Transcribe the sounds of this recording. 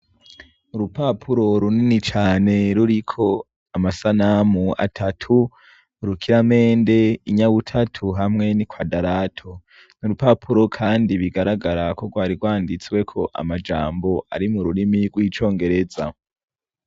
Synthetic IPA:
uɾupapʰuɾo̞ɾuninit͡ʃaːne̞ɾuɾikʰo̞ | amasanamua̰tʰatʰu | ɾukʰiɾame̞ːnde̞iɲaβutʰatʰuɦamŋe̞nikwadaɾaːtʰo | nuɾupapʰuɾo̞kʰaːndiβiɡaɾaɡaɾako̞ɡwaːɾiɡwaːndit͡swe̞kʰo̞ʔa̰mad͡ʒa̰ːmbo̞a̰ɾimuɾuɾimiɡwiːt͡ʃo̞ːŋɡe̞ɾe̞za̰

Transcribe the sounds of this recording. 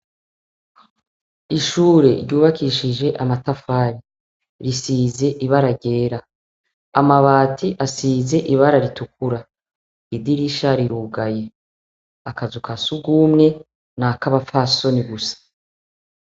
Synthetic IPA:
iʃuːɾe̞ɾɟuːβakiʃiʒe̞ʔamatafaːɾi | ɾisiːze̞ʔiβaɾaɟe̞ːɾaː | maβaːtʰiʔasiːze̞ʔiβaɾaɾitukuɾa | idiɾiʃaɾiɾuɡaje̞ | akazukʰasuɡuːmŋe̞ | nakaβafaso̞niɡusḁ

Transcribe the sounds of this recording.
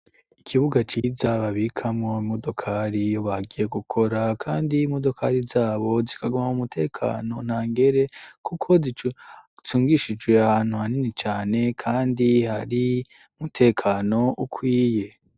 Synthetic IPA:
ikʰiβuɡat͡ʃiːzaβaβikʰamŋo̞imo̞do̞kʰaɾijo̞βaɡije̞ɡukʰo̞ɾakʰaːndimo̞do̞kʰa̰ɾizaːβo̞zikaɡumamumutʰe̞ːkʰa̰no̞n̥haːŋɡe̞ɾe̞kukʰo̞zi | t͡suːŋɡiʃid͡ʒwe̞ahan̥huhaninit͡ʃaːne̞kʰaːndihaɾi | umutʰe̞ːkʰaːno̞ʔukʰwiːje̞

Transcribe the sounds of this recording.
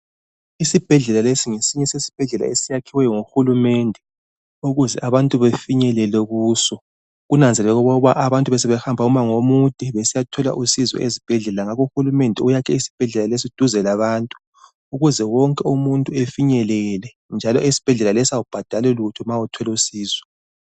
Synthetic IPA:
isib̥ʱɛɮɛlalesiŋesiɲɛsesi̥b̥ʱɛɮɛla̰esijakʰiwɛjɔŋoxulumɛndʱɛ | uɣuzɛʔaβantʼuβefiɲɛlɛlɛɣuːsɔ | ɣunand͡zʱɛlɛɣuβɔɣuβaʔaβantʼuβɛsɛβɛxambʱaumaŋomud̥ʱʼiβesijatʰɔla̰ʔusizwɔ̰ʔezib̥ʱɛɮɛlaŋaɣuxulumɛndʱɛujakʰɛisi̥b̥ʱɛɮɛlales̬iud̥ʱuzɛlaβaːntʼu̥ː | ɣuzɛwɔŋkʼɛumuntʼuefiɲɛlɛlɛ | nd͡ʒʱalɔʔisi̥b̥ʱɛɮɛlalɛsiaub̥ʱad̥ʱalɛlutʰɔmawutʰɔlusiːzwɔ

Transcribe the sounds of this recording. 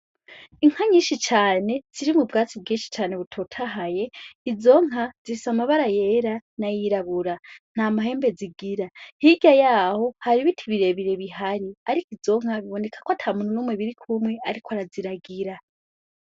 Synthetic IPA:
iŋ̥haɲiːʃit͡ʃaːne̞z̥iɾimubɡaːt͡sibɡiːnʃi̥t͡ʃaːne̞βutʰotʰaɦaje̞izo̞ŋ̥ɦazisamaβaɾaje̞ːɾanajiɾaβuɾan̥aːmaɦe̞ːmbe̞ziɡiɾahiɟajaːho̞haɾiβitʰiβiɾeβiɾe̞βiɦaɾiaɾikizo̞ŋ̥haβiβo̞ne̞kʰḁkwatʰamun̥unuːmwiβiɾikʰumwe̞aɾikʰoaɾaziɾaɡiɾa

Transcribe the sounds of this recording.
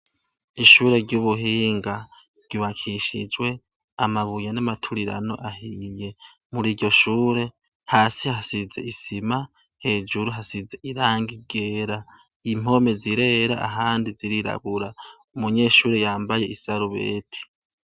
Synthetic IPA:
iʃuːɾe̞ɾɟuβuɦiːŋɡa | ɾ̥ɟ̥uβakʰiʃid͡ʒwe̞ | amaβujenamatʰuɾiɾa̰no̞̰ʔahije̞ | muɾiːɾɟo̞ʃuːɾe̞ | haːsihasize̞̰isima | he̞ːd͡ʒuɾuɦasize̞ʔiɾaːŋɡiɡe̞ːɾaim̥o̞me̞ziɾe̞ɾa̰ʔa̰ɦaːndiziɾiɾa̰ɡuɾa | umuɲe̞ːʃuːɾe̞jaːmbaje̞ʔisaɾuβe̞̰ːtʰi̥

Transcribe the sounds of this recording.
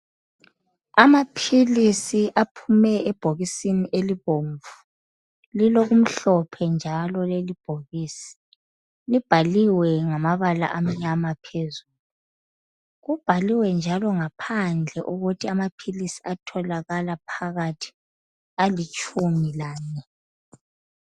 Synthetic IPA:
amapʰilisiʔapʰumɛɛb̥ʱoɣisiniʔeliβoɱvu | liloɣum̩ɬɔpʰɛnd͡ʒʱalɔlelib̥ʱoɣiːsi̥ | lib̥ʱaliwɛŋamaβala̰ʔam̩ɲamapʰezuːluu | ɣub̥ʱaliwɛnd͡ʒʱalɔŋapʰand͡ɮʱɛʔuɣutʰiamapʰilisi̥atʰɔlaɣalapʰaɣatʰi̥ | alit͡ʃʼumilaːnɛ

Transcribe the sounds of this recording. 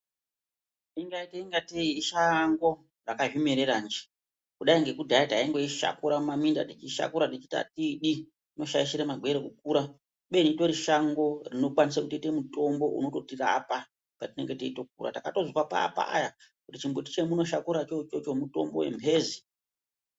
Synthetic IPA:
iŋɡaiteiŋɡateiiʃaŋɡo̞ | rakaʒumeɾerand͡ʒi̥ | kuɗaiŋɡe̞kudʱaitaiŋɡeiʃa̰kuɾamaminda̰tet͡ʃiʃa̰kuɾatet͡ʃita̰tiɗi | ino̞ʃaiʃiɾemaɡʱwe̞ɾekuk̚uːɾa | ɓe̞nito̞ɾiʃaŋɡo̞rino̞kwanisakutite̞muto̞mbo̞ʔṵno̞to̞tira̰ːpa | patine̞ŋɡe̞teito̞k̚ṵɾa̰takato̞zikwapa̰ːpa̰a̰jakutit͡ʃimboti̥t͡ʃe̞muno̞ʃakuɾat͡ʃot͡ʃo̞t͡ʃo̞muto̞̰mbo̞̰we̞̰mbʰʱe̞ːzi

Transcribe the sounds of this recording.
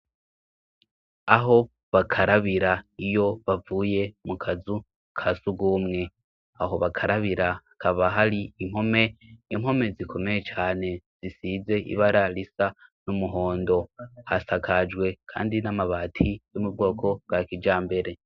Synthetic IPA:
aɦo̞ | βakʰaɾaβiɾaijo̞βavuːje̞mukʰazu | kʰasuɡuːmŋe̞ | aɦo̞βakʰaɾaβiɾaakʰaβaɦaɾiim̥ho̞me̞imho̞me̞zikʰo̞meje̞t͡ʃaːne̞z̥isize̞ʔḭβaɾalisanumuɦo̞ːndo̞hasakʰad͡ʒɡwe̞kʰa̰ːndinamaβaːtʰijumubɡo̞ːkʰo̞ɡ̥akid͡ʒaːmbe̞ɾe̞

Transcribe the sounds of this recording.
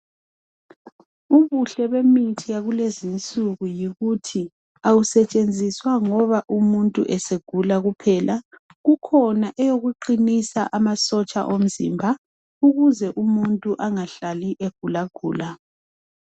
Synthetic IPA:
uβuɬɛβemitʰijaɣulezint͡sʼuɣujiɣutʰi | awusɛt͡ʃʼend͡zʱiswaŋɔβaʔumuntʼṵʔɛseɡ̥ʱulaɣupʰɛlʔa | ɣukʰɔnaʔɛjoɣuǃinisaʔamasɔt͡ʃʼa̰ʔom̩zḭmbʱa | uɣuzɛʔumuntʼuʔaŋaɬaliʔeɡ̥ʱulaɡ̥ʱṵːla

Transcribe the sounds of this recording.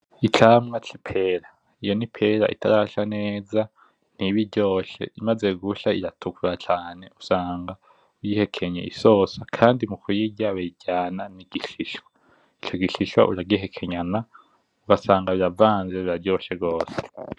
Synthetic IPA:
it͡ʃaːmŋat͡ʃi̥pʰeɾa | ijo̞nipʰeɾa̰ʔḭtʰaɾaʃaneːza | n̥iβiɾɟo̞ːʃe̞̰imaze̞ɡuʃaiɾatʰukʰuɾat͡ʃaːne̞usaːŋɡa | ujihe̞kʰe̞ɲḛʔḭso̞ːsakʰaːndimukujiɟaβeɟaːnaniɡiʃiʃwa | it͡ʃo̞ɡiʃiʃwa̰ʔuɾaɡiɦe̞kʰe̞ɲana | uɡasaːŋɡaβiɾavaːnzeβiɾaɾɟo̞ːʃeɡɡo̞ːse̥

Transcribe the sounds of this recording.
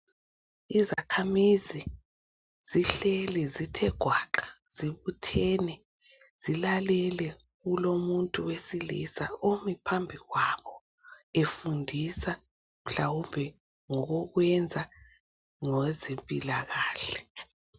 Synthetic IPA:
iza̰kʰamizi | z̥iɬɛlɛzitʰɛɡ̥ʱwaǃḁ | z̥iβutʰɛːnɛ | z̥ilalɛlɛ | ɣulomuntʼuwesilḭsaomipʰambʱiɣwaβɔ | efundʱisa | m̩ɬawumbʱɛ | ŋɔɣɔɣwɛnd͡zʱa | ŋɔzempʼilaɣaːɬɛ

